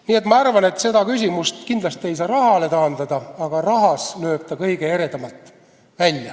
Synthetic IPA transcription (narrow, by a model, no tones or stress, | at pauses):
niːe̞t̪mɑɑrvɑne̞t̪ːse̞d̪ɑkys̬ʲimust̪kind̪lɑst̪ie̞js̬ɑːɾɑhɑle̞t̪ɑːnd̪̥ɑd̪̥ɑɑɡ̥ɑrɑɦɑslø̞ːb̥̚t̪ɑkɤjɡ̥e̞eɾe̞d̪̥ɑmɑt̪ːˑ | vælʲjɑ